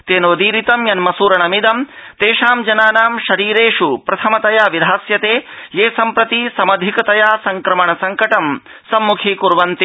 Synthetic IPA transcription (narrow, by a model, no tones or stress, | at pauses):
t̪eːnoːd̪iːɾit̪ɐmjɐnmɐsuːɾɐɳɐmid̪ɐmt̪eːʂaːmd͡ʒɐnaːnaːmʃɐɾiːɾeːʂupɾɐt̪ʰɐmɐt̪ɐjaːʋid̪ʱaːsjɐt̪eːjeːsɐmpɾɐt̪isɐmɐd̪ʱikɐt̪ɐjaːsɐŋkɾɐmɐɳɐsɐŋkɐʈɐm | sɐmːukʰiːkuɾʋɐnt̪i